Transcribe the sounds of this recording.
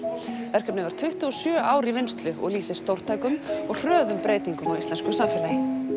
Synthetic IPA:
vɛr̥kʰapnɪvaɾ̥t̪ʰʏht̪ʏɔsjœːʔaːwɾivɪnst̪lʏɔ̰ɣliːsɛst̪owr̥t̪ʰaːjkʏmɔɣr̥œːðʏmpɾeːjt̪iŋkʏmawist̪lɛnskʏsamfɪːlajɪ

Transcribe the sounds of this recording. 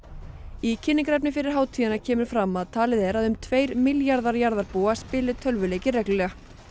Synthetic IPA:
icʰɪnːɪŋkɾɛp̬nɪfɪɾɪɾ̥ɦaːwt̪ʰiːjanacʰɛːmʏɾ̥fɾamːaðt̪ʰaːlɪðɛɾaðʏmt̪ʰveːjɾmɪljaɾðaɾjaɾðaɾpuːaspɪːlɪ̥t̪ʰœlvʏleːjcɪrɛkllɛːɣax

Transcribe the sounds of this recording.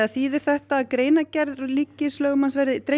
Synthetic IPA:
aθiːðɪɾ̥θɛht̪aːðkɾeːjnacɛɾðɔliːcːɪslœːɣʏmansvɛɾðɪt̪ɾe

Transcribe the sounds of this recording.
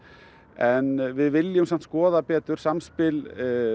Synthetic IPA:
ɛnvɪðvɪljʏmsan̥t̪skɔːðapɛːt̪ʏɾ̥samspɪl

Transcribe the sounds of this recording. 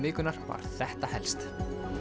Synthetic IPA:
mɪːkʏnaɾ̥va̰ɾ̥θɛht̪ahɛlst̪

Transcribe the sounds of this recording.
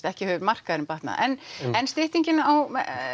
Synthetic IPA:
t̪ɛhcɪhœːvʏɾmar̥kaðɾɪmpaht̪na̰ʔɛnɛnst̪ɪht̪iɲcɪnaawmɛ̰

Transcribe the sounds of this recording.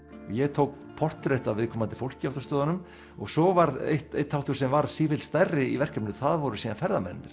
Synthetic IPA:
ɔɣjɛɣt̪ʰowk̚ | pʰɔr̥t̪ɾeht̪avɪðkʰɔːmant̪ɪ̥fowl̥cɪawft̪ḁɾst̪œːðanʏm | ɔɣsɔvaɾḛht̪ḛjht̪hawt̪ʏ̥sɛmvaɾsiːfɪlst̪arːɪivɛr̥kapnɪðʏθaðvɔɾʏsiːðanfɛɾðamɛ̰nːɪɾ̥

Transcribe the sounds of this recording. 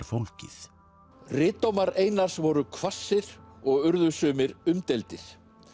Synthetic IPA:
ɾfowlcɪ̰θ | rɪːt̪owmaɾeːjnar̥svɔɾʏkʰvasːɪɾ̥ɔɣʏɾðʏsʏːmɪɾʏmt̪elt̪ɪɾ̥

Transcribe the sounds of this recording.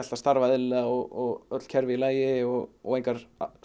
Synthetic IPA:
alast̪aɾvaðɪlɛaɔɣɔɣœt̪l̥cʰɛɾvɪlaːjɪɔɣɔ̰ɣejŋkaɾ̥

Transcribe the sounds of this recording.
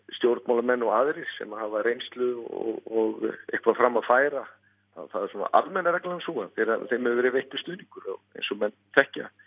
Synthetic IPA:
st̪jowɾt̪̚mawlamɛnːɔɣaːðɾɪ̥sɛ̰mahavarejnst̪lʏðɔ̰ɣɔɣḛhkvafɾamːaðfaːjɾa | θa̰ðθaðɛɾ̥suna̰ʔa̰lmɛnːaɾɛklaansuːɣanfɪɾaθejmhɛvʏvɛːɾɪvejht̪ʏ̥st̪ʏːðniŋkʏɾɔ̰ɣḛjnsɔmɛnːθɛhca̰

